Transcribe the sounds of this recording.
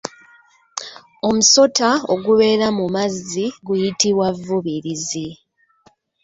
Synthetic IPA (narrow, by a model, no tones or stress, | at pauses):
o̞muso̞tao̞ɡuβe̞ːɾamumaziɡujitiβwavːuβiɾizi